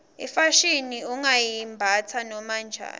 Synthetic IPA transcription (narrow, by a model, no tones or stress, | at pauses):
ḭfaʃiniuŋajimbʱat͡sʰanɔmand͡ʒʱa̰ːn